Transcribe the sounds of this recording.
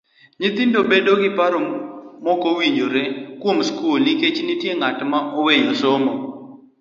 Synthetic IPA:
ɲɪt̪indobedoɡɪpaɾɔmɔkowiɲd͡ʒoɾekwomskulniket͡ʃnitjeŋatmaʔowejosomɔ

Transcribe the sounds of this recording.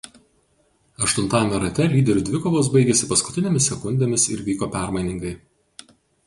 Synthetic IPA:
ɐʃt̪ʊnt̪ɑːjɛmʲɛɾɐt̪ʲɛlʲiːd̪ʲɛɾʲuːd̪ʲʋʲɪkoːʋoːs̬bɐɪɡʲɛsʲɪpɐskʊ̥t̪ʲɪnʲemʲɪsʲɛkʊnʲd̪ʲemʲɪsɪɾʋʲiːkoːpʲæˑɾmɐɪnʲɪŋɡɐɪ

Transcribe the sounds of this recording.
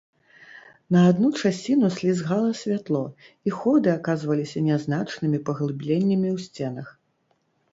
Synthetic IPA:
nɐad̪nut͡ʂasʲt͡sʲinusʲlʲizɣalˠɐsʲvʲat̪lˠɔ | ixɔd̪ɨakazvɐlʲisʲɐnʲɛznat͡ʂnɨmʲipɐɣlˠɨblʲenʲːɐmʲiwsʲt͡sʲɛnɐx

